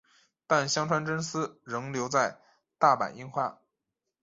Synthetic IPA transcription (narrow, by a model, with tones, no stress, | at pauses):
t̪a˥˩nɕjɑ˥ŋʈ͡ʂʰwa˧˥nʈ͡ʂə˥nsɹ̩˥ɻɤ˧˥ŋljo˧˥ʊt͡sa˥˧ɪ | t̪a˥˩pa̰˨˩ni˥ŋxwa˥˩